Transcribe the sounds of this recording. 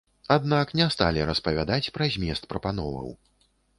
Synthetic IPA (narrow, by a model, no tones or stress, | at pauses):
ad̪naknʲɛst̪a̰lʲiɾɐspɐvʲad̪at͡sʲpɾazʲmʲɛst̪̚pɾɐpanɔvɐ̰w